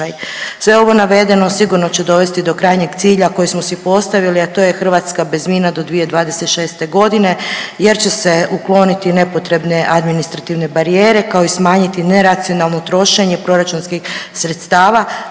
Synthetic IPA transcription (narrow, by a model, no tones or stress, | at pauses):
ajsʋe̞o̞ʋo̞naʋe̞d̪e̞no̞siɡuɾno̞t͡ɕe̞d̪o̞ʋe̞st̪id̪o̞kɾaːjɲe̞ɡt̪siːʎako̞jismo̞sipo̞st̪aʋiliat̪o̞ːjexr̩ʋaːt̪skabe̞zmiːnad̪od̪ʋijed̪ʋaːd̪e̞se̞t̪ʃe̞ːst̪e̞ɡo̞d̪ine̞je̞ɾt͡ɕe̞se̞uklˠo̞nit̪ine̞po̞t̪ɾe̞bne̞ʔad̪minist̪ɾat̪iʋne̞baɾijeːɾe̞kao̞ismaːɲit̪ine̞ɾat̪sio̞nalˠnot̪ɾo̞ʃe̞ɲe̞pɾo̞ɾat͡ʃunskixsɾe̞t̪st̪aːʋa